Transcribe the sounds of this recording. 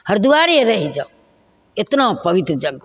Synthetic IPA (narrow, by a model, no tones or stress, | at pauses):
həɾd̪uaɾeɾəɦid͡ʒa | et̪nopəʋit̪ɾəd͡ʒəɡ